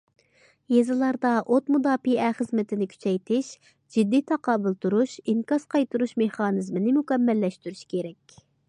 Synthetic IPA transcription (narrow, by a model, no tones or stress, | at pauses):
jezɨlˠɑɾd̪ɑʔot̪mud̪ɑːpiɛχəzmɪt̪ʰɪnɪkʲʰy̥t͡ʃʰɛjt̪ʰɪʃ | d͡ʒɪd̪ːijt̪ʰɑqɑːbɨlˠt̪ʰuɾuʃiŋkɑsqɑjt̪uɾuʃmeχɑːnɨzmɪnɪmukʲɛmːɛlːɛʃt̪yɾyʃkʲʰeɾɛkʲ